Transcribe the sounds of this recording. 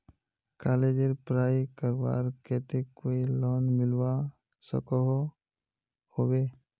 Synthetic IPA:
kaled͡ʒeɾpɾaːikəɾwa̰ːɾkɛːt̪ekoːilɔːnmɪlwa | sə̰kɔɦ | hobeː

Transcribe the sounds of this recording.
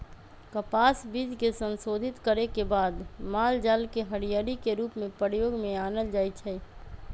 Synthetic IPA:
kəpaːsbiːd͡ʒ̪kesə̃nsoːd̪ʱɪt̪kəɾekebaːd̪maːld͡ʒaːlkeɦəɽijaːɾikeɾuːpmẽpəɾjoːɡmẽaːnəld͡ʒaːit͡ʃʰɛ

